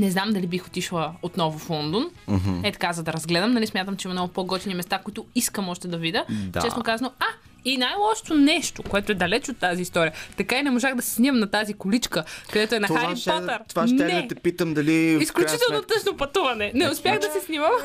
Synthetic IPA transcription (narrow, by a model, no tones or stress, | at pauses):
nɛznamd̪ɐlibixot̪iʃlˠɐot̪nɔvʊflˠɔnd̪onɛt̪ɐ̥kazɐd̪ɐɾɐzɡlɛd̪əmnɐlismʲjat̪əmt͡ʃɛimɐmnɡʊpoɡɔt͡ʃ̪nimɛst̪akʊit̪ʊiskəmɔʃt̪ɛd̪ɐvid̪ʲəd̰t͡ʃɛsokazɐnoa | inajlˠɔʃo̥t̪onɛʃt̪okoɛt̪ʊɛd̪ɐlɛt͡ʃot̪ːaziːst̪ɔɾijət̪ɐkainɛmoʒaɣd̪ɐsɛ̥snʲimɐmnɐt̪azikʊlit͡ʃkəkɐd̪ɛt̪oɛnɐxaɾit̪ɐɾt̪vanɛɛt̪ɛpit̪əmd̪ɐliisklʲut͡ʃit̪ɛlˠnot̪əʃnopɐt̪uvɐnɛnɛʊspjaxd̪ɐsɛsnimɐm